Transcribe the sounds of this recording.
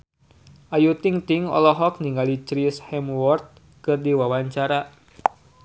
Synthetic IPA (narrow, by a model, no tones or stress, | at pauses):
ʔajut̪iŋt̪iŋɔ̰lɔɦɔk̚niŋɡalit͡ʃɾishɛmwɔrt̪̚ | kɨrdiwawaɲt͡ʃaɾa